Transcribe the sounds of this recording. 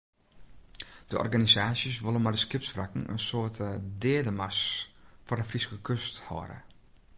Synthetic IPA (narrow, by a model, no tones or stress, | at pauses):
d̥əʔɔ̰rɡanizaːsjəsʋolˠənmɛdəskɪpsfrakŋ̩ə̰nsoətʰədɪədəmasfɔrəfriskəkʰøsthɔ̰ːɾə̰